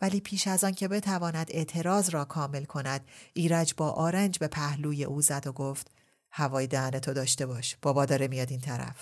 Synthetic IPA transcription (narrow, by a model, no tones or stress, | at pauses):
væliːpʰiːʃæzɒːncʰe̞be̞t̪ʰævɒːnæd̪e̞ʔt̪ʰe̞ɾɒːzɾɒːkʰɒːme̞lkʰo̞næd̪̥ʔiːɾæd͡ʒbɒːʔɒːɾænd͡ʒbe̞pʰæhluːje̞̰ʔuːzæd̪oɡoft̪ | hævɒːjed̪ææne̞t̪ʰo̞d̪ɒːʃt̪e̞bɒːʃb̥ɒːbɒːd̪ɒːɾemijɒːd̪iːnt̪ʰæɾæ̰f